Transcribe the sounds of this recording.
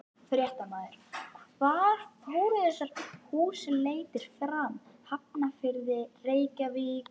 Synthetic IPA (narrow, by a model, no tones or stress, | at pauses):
fɾjɛht̪amaːðɪɾ̥vaɾ̥foːwɾʏðɛsat̪huːsɪleːjt̪ɪɾ̥fɾamhap̚nafɪɾðɪreːjcaviː